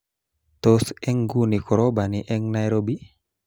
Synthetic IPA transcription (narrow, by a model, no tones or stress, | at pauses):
tɔsɛŋɡunikɔɾobaniʔɛŋnajɾobi